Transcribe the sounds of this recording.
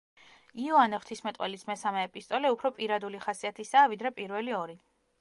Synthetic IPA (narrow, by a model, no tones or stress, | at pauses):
iɔanɛχwt̪ʰismɛt̪ʼwɛ̰lismɛsamɛːpʼist̪ʼɔlɛupʰɾɔpʼiɾad̪uliχasiat̪ʰisaːvid̪ɾɛpʼiɾvɛliɔɾi